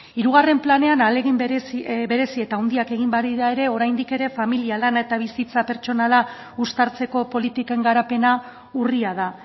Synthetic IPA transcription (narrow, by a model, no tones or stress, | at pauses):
iɾuɣ̞are̞mplane̞analeɣimsbe̞ɾe̞sie̞t̪awnd̪iake̞ɣ̞imbaɾiðae̞ɾe̞o̞ɾajnd̪ike̞ɾe̞familialanaet̪aβ̞isit͡sape̞ɾt͡ʃo̞nala | ust̪aɾt͡se̞ko̞po̞lit̪ike̞ŋɡaɾape̞na | uriað̞a